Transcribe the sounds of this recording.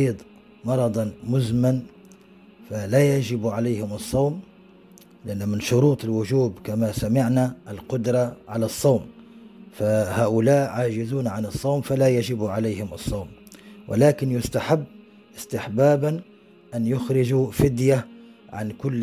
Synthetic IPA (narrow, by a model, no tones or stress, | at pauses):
iːd̪ˤ | mɑɾˤɑd̪ˤɑmʊzman | falajaʒɪbʕalajhɪmɨsˤːɑwm | lɪʔanːʊmɪnʃʊɾuːt̪ˤɪlwʊʒuːbkamasamɪʕnaʔɪlqʊd̪ɾˤɑʕalasˤːɑwmfahaːʔʊlaːʔʕaːʒɪzuːnʕanɨsˤːɑwmfalajaʒɪbuʕalajhɪmɨsˤːɑwm | wʔɪ̰laːkɪnjʊst̪aħabː | ʔɪst̪ɪħbaːban | ʔanjʊxɾɪʒufɪd̪jaʕa̰nkʊlː